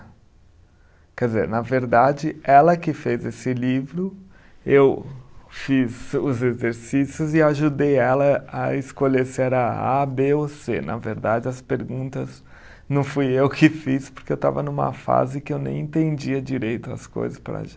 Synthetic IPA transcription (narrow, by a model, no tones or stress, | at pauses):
kɛdd͡ʒɪzḛɾnɐveɾd̪ad͡ʒɪɛlɐkɪfezesɪlivɾʊ | ewfizʊzezeɾsisjʊzɪaʒud̪ejɛlɐɐɪskoleseɾɐa̰beosenʔɐ̰veɾd̪ad͡ʒɪɐspeɾɡũnt̪ɐz | nɐ̃w̃fujewkʰɪfispoɾkeewt̪a̰vɐnũmɐ̰fa̰zɪkɪewnẽj̃ẽt̪ẽd͡ʒiɐd͡ʒiɾejt̪ʊɐ̰sko̰jzɐspɾɐ̰ʒa